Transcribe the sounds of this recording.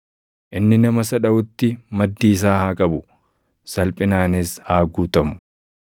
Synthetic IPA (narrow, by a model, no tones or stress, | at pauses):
ʔɪnːɪnɐmɐsɐᶑɐʔʊt̪ːɪmɐd̪ːiːs̬aːhaːkʼɐbʊ | sɐlpʼɪnaːnɪshaːɡuːt̪ɐmʊ̥